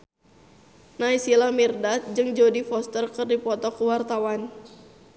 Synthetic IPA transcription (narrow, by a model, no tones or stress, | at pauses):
naisilamirdat̪̚d͡ʒɨŋd͡ʒodifɔst̪ərkɨrdipɔt̪ɔkuwart̪awan